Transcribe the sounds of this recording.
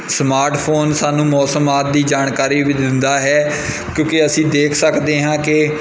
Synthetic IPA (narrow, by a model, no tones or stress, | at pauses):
smaːɾʈpʰoːnsaːnũːmɔːsəmaːt̪̚d̪iːd͡ʒaːɳkaːɾiːʋɪd̪ɪnd̪aːɦɛː | kjõːkeəsĩːd̪eːkʰsəkd̪eːɦãːkɪ